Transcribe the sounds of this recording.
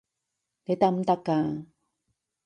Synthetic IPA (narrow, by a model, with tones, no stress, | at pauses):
t̪e˦t̪a˧m˦t̪a˧ka˨